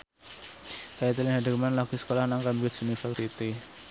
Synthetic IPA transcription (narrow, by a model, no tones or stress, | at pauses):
kajat̪ilɪŋɦadəkmanlaɡ̥isə̥kolahnaŋkambɪt̪sunifərsit̪i